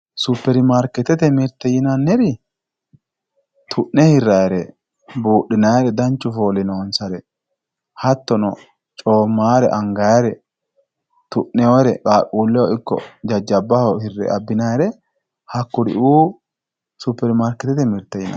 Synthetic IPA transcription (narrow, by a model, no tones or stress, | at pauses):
sʊpːɛɾmaːɾkːɛt̪ːɛt̪ɛmɪɾt̪ːɛjɪnɐnːɛɾɪ | t̪ʰʊʔnɛhɪrːɐjɾɛ | buːɗːɪnɐjɾɛd̪ɐnt͡ʃːʊfoːlɪnoːnsɐɾɛ | hɐt̪ːɔnɔ | t͡ʃʼoːmːaːɾɛ̰ʔɐŋɡɐjɐɾɛ | t̪ʊʔːɛwɔɾɛkʼaːʔʼuːlːɛwɔɪkːɔ̰d͡ʒɐd͡ʒːɐbːɐhɔhɪrːɛ̰ɐbːɪnɐjɾɛ | hɐkːʊd̪ɪ̰ʔuː | supːɛɾmaːɾkɛt̪ːɛt̪ɛmɪɾt̪ːɛjɪnɐ̰